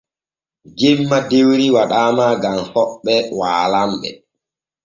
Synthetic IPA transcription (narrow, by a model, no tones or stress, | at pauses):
d͡ʒemːadewɾiwaɗaːmaːɡamhɔɓːɛwaːlamɓɛ̰